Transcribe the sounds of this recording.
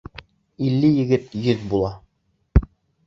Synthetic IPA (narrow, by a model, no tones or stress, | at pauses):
ilːɘjɘ̆ɡɘt̪jɵðbulˠɑ